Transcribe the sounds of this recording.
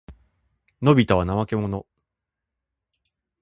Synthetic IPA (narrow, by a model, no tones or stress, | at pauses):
no̞bʲit̪aβanaβake̞mo̞no̞